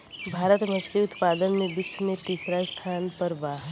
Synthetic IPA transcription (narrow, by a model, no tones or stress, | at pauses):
bʱaːɾət̪mə̃ʃɾiʊt̪paːd̪ənmẽbɪsmẽt̪iːsɾast̪ʰaːnpəɾbaːɦ